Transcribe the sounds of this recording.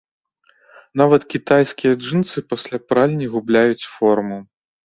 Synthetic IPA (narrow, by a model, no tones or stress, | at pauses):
n̪avɐt̪kʲit̪ajskʲijɐd͡ʐɨnt̪sɨpɐsʲlʲapɾalʲnʲiɣublʲajut͡sʲfɔrmu